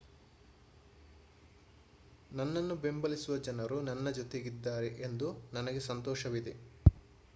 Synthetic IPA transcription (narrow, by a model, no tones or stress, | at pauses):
nɐnːɐnːube̞mbɐlisuʋɐd͡ʒɐnɐɾunɐnːɐd͡ʒot̪eɡid̪ːaːɾeʔend̪unɐnɐɡesɐnt̪ɔːʃɐʋid̪e